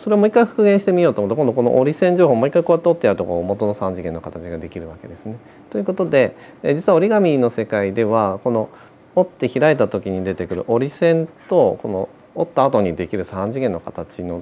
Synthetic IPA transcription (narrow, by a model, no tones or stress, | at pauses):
so̞ɾe̞omo̞ikːaiɸɯ̟̥kɯ̟ɡẽɕi̥t̪e̞mʲio̞ːt̪omot̪ːko̞noko̞no̞̰ʔoɾʲisẽ̞ɲd͡ʑoːhoːmoikːaiko̞at̪ːeo̞t̪ːe̞jaɯ̟t̪oko̞̰ːmo̞t̪o̞no̞sãɲ̟d͡ʑiɡẽ̞nːo̞kat̪at͡ɕiɡad̪e̞kʲiɾɯ̟βake̞d̪e̞sɨne̞ | t̪ojɯ̟ko̞t̪o̞d̪e̞ | d͡ʑit͡sɨβao̞ɾʲiɡamʲino̞se̞kaid̪e̞β̞ako̞no̞ | ot̪ːe̞çiɾae̞t̪at̪o̞kʲiɲ̟id̪e̞t̪e̞kɯ̟ɾɯ̰ʔo̞ɾʲisẽ̞nt̪o̞ko̞no̰ː | t̪ːaːt̪o̞ɲ̟id̪e̞kʲiɾɯ̟sãɲ̟d͡ʑiɡẽ̞nːo̞kat̪at͡ɕino̞